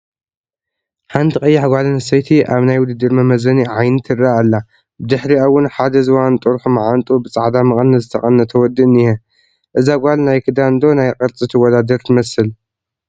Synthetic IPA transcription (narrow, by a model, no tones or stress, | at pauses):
ħant̪ʰiqʼɐjːaħɡʷalɨnɨsɐjt̪ʰiʔaβnajwʊd̪ɨd̪ɨɾmɐmɐzɐniʕajnɨt̪ʰɨraalːa | bɨd̪ɨħɾiawʊnħad̪ɐzɨwant̪ʼɨɾħumaʕant̪ʼubɨt͡sʼaʕd̪amɐkʼɐnːɐzɨt̪ʰɐχʼɐnːɐt̪ʰɐwɔd̪ːɨɨnije | ʔɨzaɡʷalnajkʰɨd̪and̪o̞najqʼɐɾt͡sʼɨt̪ʰɨwɔd̪ad̪ɐɾt̪ʰɨmɐsɨl